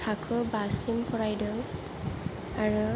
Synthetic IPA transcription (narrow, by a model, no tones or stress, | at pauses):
tʰakʰɯbasimpʰɔɹajdɯ | aɹu